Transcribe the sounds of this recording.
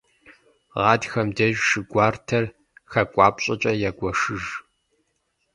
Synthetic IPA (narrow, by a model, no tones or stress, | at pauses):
ʁɑːdxɐmdɐʒʃɨɡʷaːrtʰɐr | xɐkʷʼɑːpʼɕʼɐt͡ʃʼɐjaːɡʷɔʂɨʒ